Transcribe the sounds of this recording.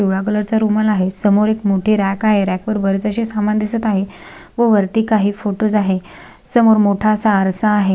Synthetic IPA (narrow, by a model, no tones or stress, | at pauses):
ewɭakələɾt͡saɾumalaɦesəmoɾekmoʈʰiːɾækaɦeɾækʋəɾbəɾət͡səɕisamand̪isət̪aɦe | ʋəʋəɾt̪iːkaɦiːfoʈos̬aɦe | səmoɾmoʈʰaəsaːɾsaːɦe